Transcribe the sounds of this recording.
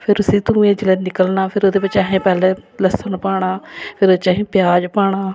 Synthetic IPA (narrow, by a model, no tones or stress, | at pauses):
pʰɪɾʊsĩːt̪ũːẽːd͡ʒɪlẽːnɪkəlnaːpʰɪɾoːd̪eːbət͡ʃaːɦẽːpɛːleːləsənpaːɽ̃aːpʰɪɾoːt͡ʃaːɦĩːpjaːd͡ʒpaːɳ̃aː